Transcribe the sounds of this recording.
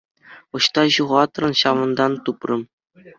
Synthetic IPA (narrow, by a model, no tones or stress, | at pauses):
ɤ̆ɕt̪ɑʑuʁɑt̪rɤ̆nɕɑʋɤ̆nd̪ɑnt̪uprɤ̆m